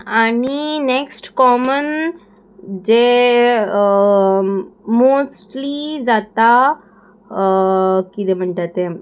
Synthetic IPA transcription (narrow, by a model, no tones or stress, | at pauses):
aɽ̃ineksʈkɔmən | d͡ʑe | mosʈlid͡zat̪a | kit̪em̤əɳʈat̪e